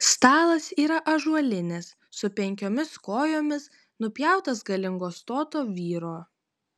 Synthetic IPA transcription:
st̪ɑːlˠɐsiːɾɐʔɐʒuɔlʲɪnʲɛsːʊpʲɛŋʲkʲoːmʲɪskoːjoːmʲɪs | nʊpʲjæˑʊt̪ɐsɡɐlʲɪŋɡoːst̪oːt̪oːʋʲiːɾoː

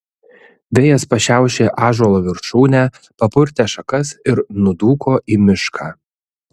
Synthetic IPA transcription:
ʋʲejɛspɐʃʲæˑʊʃʲeːʔɑːʒɔlˠoːʋʲɪɾʃuːnʲæ | pɐpʊɾʲt̪ʲɛːʃɐkɐsɪɾnʊd̪uːkʰoːʔiːmʲɪʃkʰɑː

